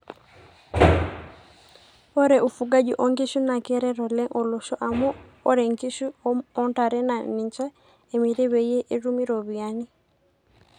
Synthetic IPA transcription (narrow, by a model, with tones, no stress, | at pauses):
ɔ˦ɾɛ˨ʔu˨fu˨ɡa˦d͡ʒɔ˨ʔɔ˨ŋɡi˦ʃu˦na˨kɛ˦ɾɛ˦ɾɔ˨lɛ˦ŋʔɔ˨lo˨ʃɔ˦ʔa˨mu˦ɔ˦ɾɛ˨ŋɡi˦ʃu˦ɔ˦nta˨ɾɛ˦na˨ni˨ɲt͡ʃa˦ | e˨mi˨ɾe˦we˨je˦ʔe˦ɾu˦mi˦ɾɔ˨βi˨a˦ni˦